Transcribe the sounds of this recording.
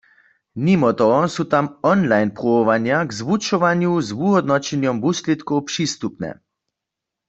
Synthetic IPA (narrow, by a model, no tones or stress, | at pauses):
mimɔt̪ɔɔsut̪amɔnlajnpʁɔɔʋanjaɡzʋut͡ʃɔʋanjuzʋuɦɔd̪nɔt͡ʃɛnjɔmbuslɛt̪kɔwpʂist̪upnɛ̰